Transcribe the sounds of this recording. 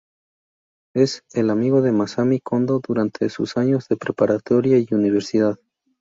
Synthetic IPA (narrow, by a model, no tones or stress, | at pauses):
e̞se̞lamiɣo̞ðe̞masamikʰo̞nd̪oðuɾant̪ʰesṵsaɲo̞zðe̞pɾe̞paɾat̪o̞ɾjaiuniβ̞e̞ɾsiðað